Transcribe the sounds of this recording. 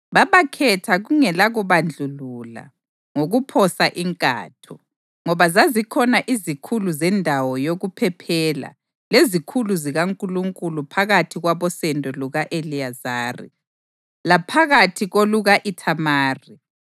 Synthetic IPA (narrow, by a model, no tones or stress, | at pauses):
βaβakʰɛtʰaɣuŋɛlaɣuβand͡ɮʱulula̰ | ŋoɣupʰɔsaʔiŋkʼa̰ːtʰɔ | ŋɔβazazikʰɔnaʔizikʰuluzɛndʱawɔjoɣupʰɛpʰɛla̰ | lezikʰuluziɣaŋkʼuluŋkʼulupʰaɣatʰiɣwaβɔsɛndʱʼɔluɣaʔeliazaːrḭ | lapʰaɣatʰiɣoluɣaʔitʰamaːri